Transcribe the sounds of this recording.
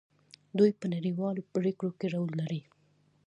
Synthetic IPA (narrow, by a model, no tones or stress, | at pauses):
d̪ujpənaɽiwɑlopɽekɽokeɾawlːaɾi